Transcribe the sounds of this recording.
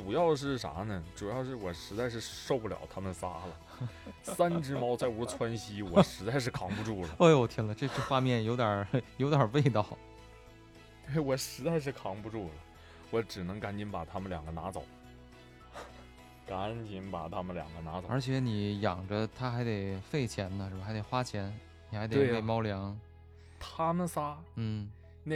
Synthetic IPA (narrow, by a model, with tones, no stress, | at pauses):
ʈ͡ʂu˨˩jɑ˥˧ʊʂ̬ɻ̩˥˩ʂa̰˧˥nə˨ʈ͡ʂu˨˩jɑ˥˧ʊʂ̬ɻ̩˥˩wɔ˨˩ʂɻ̩˧˥t͡sa˥˧ɪʂɻ̩˥˧ʂʂo˥˧ʊpu˥˩ljɑ̰˨˩ʊt̪ʰa˥mə˨nsa˥lə˨ | sa˥nʈ͡ʂɻ̩˥mɑ˥ʊt͡sa˥˩ɪu˧˥t͡sʰwa˥nɕi˥wɔ˨˧˩ʂɻ̩˧˥t͡sa˥˧ɪʂ̬ɻ̩˥˩kʰɑ˧˥ŋpu˧ʈ͡ʂu˥˩ləə˩e˥˩ɪwɔ˨˩t̪ʰi˥ŋlə˧ʈ͡ʂɤ˥˧ʈ͡ʂɤ˥˧xwa˥˧mjɛ˥˩njo˧˥t̪jɐ˨˩˦jo˧˥ʊt̪jɐ˨˩we˥˧ɪt̪ɑ˥˩ʊ | e˥˩ɪwɔ˨˩ʂɻ̩˧˥t͡sa˥˧ɪʂ̬ɻ̩˥˩kʰɑ˧˥ŋpu˧ʈ͡ʂu˥˩lə˩ | wɔ˧˥ʈ͡ʂɻ̩˨˩nɤ˧˥ŋka˧˥nt͡ɕi˧˥npa˨˩t̪ʰa˥mə˧˨nljɑ˨˩ŋɡə˦na˧˥t͡so˨˩˦ʊ | ka˧˥nt͡ɕi˧˥˩npa˨˩t̪ʰa˥mə˨nljɑ̰˨˩ŋɡə˦na˧˥t͡so˨˧ʔə˞˧˥t͡ɕʰjɛ˧˥ni˨˩jɑ̰˨˩ŋʈ͡ʂə˦t̪ʰa˥xa˧˥ɪt̪e˨˩ɪfe˥˩ɪt͡ɕʰjɛ˧˥nnə˧ʂɻ̩˥˩ba˩xt̪e˨˩ɪxwa˥t͡ɕʰjɛ˧˥n | ni˨˩xa˧˥ɪt̪e˨˩˥we˥˩ɪmɑ˥ʊljɑ˧˥ŋ | t̪ʰa˥nə˨nsa˥n̩˥˩ | n˧